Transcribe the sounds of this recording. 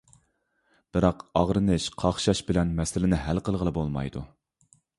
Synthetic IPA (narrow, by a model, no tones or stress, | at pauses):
b̥ɨɾɑqɑʁɾɨnɨʃqʰɑχʃɑʃbɪlɛnmɛsɪlɪnɪɦælqəlˠʁəlˠɨbolˠmɑ̰jd̪ṵ